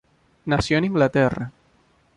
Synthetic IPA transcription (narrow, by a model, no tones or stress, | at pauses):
nasjoniŋɡlat̪ɛra̰